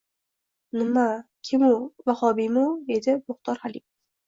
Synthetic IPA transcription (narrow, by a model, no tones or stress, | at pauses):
nɨmːakʲʰɪmuvaχɒːbimud̪ed̪ɪmʊχt̪ɒɾhali